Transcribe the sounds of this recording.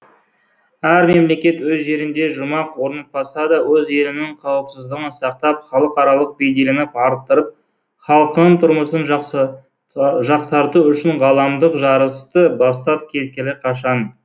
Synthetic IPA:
æɾme̞mle̞kʲe̞t̪wɵzʒe̞ɾɪnd̪e̞ʒʊmɑqwo̞ɾnɑt̪̚bɑsɑd̪ɑwɵze̞lɪnɪŋqʰɑwəpsəzd̪əʁənsɑq̚t̪ɑp̚χɑlˠəqɑɾɑlˠəq̚be̞jd̪e̞lenɪpɑɾt̪ːəɾəp̚ | χɑlˠəqənəɴt̪ʰʊɾməsənʒ | ʒɑqsɑɾt̪uʏʃɪɴʁɑlˠɑmd̪əqʒɑɾəst̪əbɑst̪ɑp̚kʲʰe̞t̪̚kʲɪlɪqʰɑʃɑn

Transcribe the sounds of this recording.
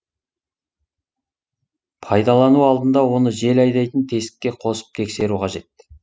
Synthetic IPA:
pʰɑjd̪ɑlˠɑnuɑlˠd̪ənd̪ɑwo̞nəʒe̞lɑjd̪ɑjt̪ənt̪ʰe̞sɪ̥kʲːe̞qʰo̞sə̥p̚t̪ʰe̞kse̞ɾuqʰɑʒe̞t̪̚ːɪ̥

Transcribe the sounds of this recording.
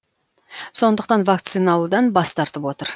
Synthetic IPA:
so̞nd̪əq̚t̪ɑnvakt̪sɨnɑlˠud̪ɑnbɑst̪ɑɾt̪əpwo̞t̪əɾ

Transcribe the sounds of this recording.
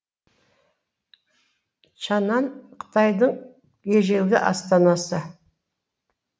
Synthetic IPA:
ʃɑnɑnqʰə̥t̪ɑjd̪əɴ | jeʒe̞wɡ̪ʲɪ̰ʔɑ̰st̪ɑnɑsə

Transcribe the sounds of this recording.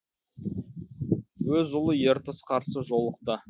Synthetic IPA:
wɵzʊlˠəjeɾt̪əsqʰɑɾsəʒo̞lˠəq̚t̪ə

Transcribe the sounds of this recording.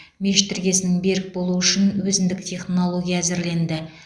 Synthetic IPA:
mʲeʃt̪ʰɪɾɡʲe̞sɪnɪŋbe̞ɾɪk̚bo̞lˠuʏʃɪnwɵzɪnd̪ɪk̚t̪ʲʰe̞χnno̞lˠo̞ɡʲijaːzɪɾle̞nd̪ɪ

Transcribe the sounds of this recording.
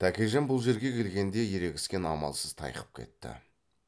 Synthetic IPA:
t̪ʰækʲeʒæmbʊlˠʒe̞ɾɡʲe̞kʲʰe̞lɡʲe̞nd̪e̞je̞ɾe̞ɡʲɪ̥skʲe̞nɑmɑ̰lˠsəz̥t̪ʰɑ̰jqə̥p̚kʲʰe̞̰t̪ːɪ̰

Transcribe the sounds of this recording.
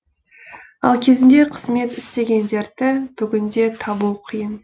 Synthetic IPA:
ɑ̰lˠkʲʰe̞zɪnd̪e̞qʰəzme̞t̪ɪst̪e̞ɡʲe̞nd̪e̞ɾd̪ɪb̥ʏɡʲɪnd̪e̞t̪ʰɑbuwqʰijən

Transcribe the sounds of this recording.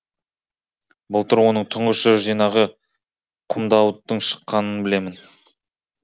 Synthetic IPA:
bʊlˠt̪əɾwo̞nəɴt̪ʰʊɴʁəʃəʒijnɑʁə | qʰəmd̪ɑwd̪əɴʃə̥qːɑnənbɪle̞mɪn

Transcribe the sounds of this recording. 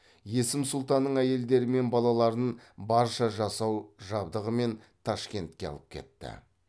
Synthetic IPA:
je̞sɪmsʊlˠt̪ɑnːəɴæje̞ld̪e̞ɾɪme̞nbɑlˠɑlˠɑɾənbɑɾʃɑʒɑsɑwʒɑbd̪əʁəme̞nt̪ʰɑʃkʲe̞nt̪̚kʲe̞ɑ̰lˠəp̚kʲʰe̞̰t̪ːɪ̰

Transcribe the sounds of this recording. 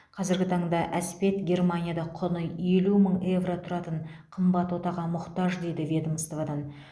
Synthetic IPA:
qʰɑzɪɾɡʲɪt̪ʰɑɴd̪ɑʔæspe̞t̪ɡʲe̞rmanʲijad̪ɑqʰʊnəe̞luməɴe̞vrot̪ʰʊɾɑt̪əɴqʰəmbɑt̪wo̞t̪ɑʁɑmʊqt̪ɑʒd̪e̞jd̪ɪvʲe̞d̪əməst̪ovad̪ɑn

